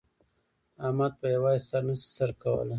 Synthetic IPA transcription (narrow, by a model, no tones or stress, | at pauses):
amɑd̪̚pajawɑisaɾnasi̥saɾkawə̰la